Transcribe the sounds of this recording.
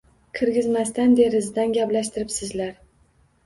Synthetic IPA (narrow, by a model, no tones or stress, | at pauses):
kʲʰɪɾɡʲɪzmast̪and̪e̞ɾɪzd̪anɡʲaplaʃt̪ʰɪɾɪpsɪzlaɾ